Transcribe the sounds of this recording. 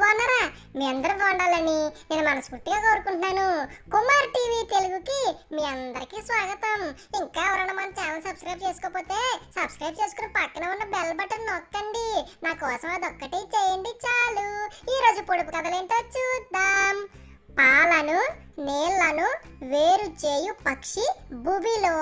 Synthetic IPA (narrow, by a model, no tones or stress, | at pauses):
aːɳnːaːɾaː | miːɐnd̪ɐɾuʋɐɳɖaːlɐnineːnumɐnɐmskuʈːiɡaːkoːɾukuɳʈnaːnukumaɾʈiːʋiːt̪eluɡukimiːɐnd̪ɐɾikisʋaːɡɐt̪ɐmiŋkaːɛʋɐɾɐnɐmɐnɐt͡ʃɛːnɐsɐbskɾɐjb̚t͡ʃe̞ːsu̥kɔːpoːt̪e̞ːsɐbskɾɐjb̚t͡ʃeːsu̥kunɐpɐkːɐnɐunːɐbɛlɐbɐʈːɐnɔkːɐɳɖinaːkɔːsɐmaːd̪ɔkːɐʈiːt͡ʃɛːjɐɳɖit͡ʃaːluiːɾo̞ːd͡ʒupoɽup̬ukɐd̪ɐleːɳʈoːt͡ʃuːd̪aːm | paːlɐnu | neːlːɐnu | ʋeːɾut͡ʃeːjupɐkʂibubiloː